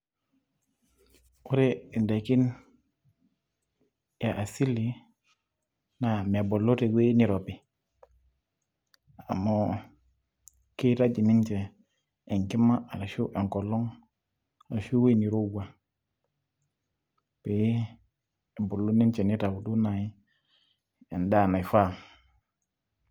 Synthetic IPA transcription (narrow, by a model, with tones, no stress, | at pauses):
u˦ɾe˦i˨nda˨ki˦n | ja˨ʔa˨si˦li˨ | na˨me˨bo˨lo˦te˨we˦ni˨ɾo˨pi˨ | a̰˨mɔ˦ | ki˦ɾa˦d͡ʒi˨ni˦nt͡ʃeː˨ | ŋki˦ma˦ʔa˨la˨ʃu˦ʔe˨ŋko˨lo˦ŋ | a˨ʃu˦we˦ni˨ɾo˦wa˨ | pe˨˦ | e˨bo˨lːu˦ni˦nt͡ʃɛ˨ni˦ta˨u˨du˦na˨i˦ | e˨nda˦˨na˨jfa˦˨ŋ